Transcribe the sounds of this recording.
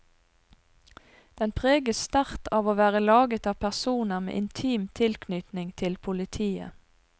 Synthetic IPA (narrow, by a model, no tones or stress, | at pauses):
d̪̥ɛnpʰʁeːɡəst̪æʁt̪ʰɑːʋoːʋæːʁəlɑːɡət̪ɑːpʰæʁsuːnəʁmḛːʔɪnt̪ʰyːmt̪ʰɪlkʰnʏt̪nɪŋt̪ʰɪlpʰʊlɪt̪ʰiːə̰